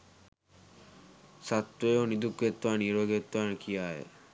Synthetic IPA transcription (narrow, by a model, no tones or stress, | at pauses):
sat̪wejonid̪ukːet̪ːuaniɾoɡet̪ːuankʰijaḛ